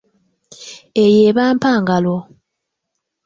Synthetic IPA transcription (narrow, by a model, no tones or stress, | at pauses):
ejeːβaːmpaːŋɡalo